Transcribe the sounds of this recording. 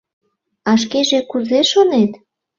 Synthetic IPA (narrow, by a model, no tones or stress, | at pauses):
ɑʃ̬keʒekuzeʃonet̪